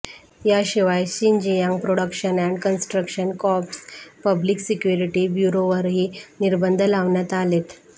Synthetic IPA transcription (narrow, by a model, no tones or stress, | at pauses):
jaɕiʋajɕiɲd͡ʑijãŋɡpɾoɽəkɕənæɳɖkənsʈɾəkɕənkɔpspəbliksikjuɾiʈibjuɾoʋəɾɦiːniɾbənd̪ʱəlaʋɳjat̪alet̪